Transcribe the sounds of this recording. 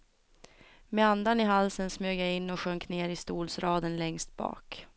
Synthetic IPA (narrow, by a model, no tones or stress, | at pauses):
mɛand̪anɪɦalsənsmøːɡjaɪnːɔɧœŋkneːɾɪst̪uːlsɾɑːd̪ənlɛŋst̪̚bɑ̰ːk